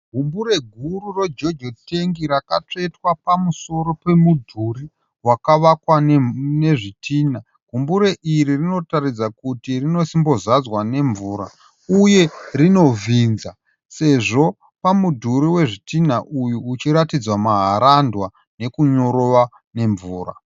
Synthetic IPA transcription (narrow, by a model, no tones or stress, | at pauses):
ɡʱumbuɾe̞ɡʱururod͡ʒo̞d͡ʒo̞te̞ŋɡiɾakat͡ʂetwapamuso̞ɾo̞pe̞mudʱuri | wakaʋakwanne̞ʐitʰiːna | ɡ̥ʱumbuɾe̞ʔiɾirino̞taɾid͡zakutirino̞simbo̞zad͡zwane̞ɱvuːɾa̰ | uje̞rino̞viːnza | se̞ʐo̞ | pamudʱuɾiwe̞ʐitinaʔujuːt͡ʃiɾatid͡zwamaɦaɾandwa | ne̞kuɲo̞ɾoʋa | ne̞ɱvuːɾa̰